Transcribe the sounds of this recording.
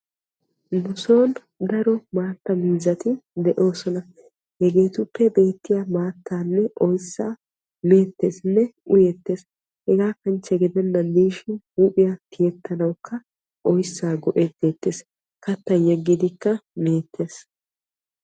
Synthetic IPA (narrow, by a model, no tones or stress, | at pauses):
nʊso̞ːn | d̪ɐɾɔmaːt̪ːɐmiːzɐt̪ɪd̪ɛʔo̞ːsɔnɐ | hɛɡe̞ːt̪ʊpːɛbe̞ːt̪ːɪjamaːt̪ːaːnːɛʔɔjsːaː | me̞ːt̪ːe̞ːsnːɛʔʊjɛt̪ːe̞ːs | hɛɡaːkːɐnt͡ʃːɛɡɪd̪ɛnːɐmiːʃɪnhuːpʼɪjat̪ɪjɛt̪ʰːɐnɐwkʰːɐ | ʔɔjsːaːɡɔʔeːt̪d̪eːt̪ːeːs | kɐt̪ːɐnjɛɡːɪd̪ɪkːɐme̞ːt̪ːe̞ːs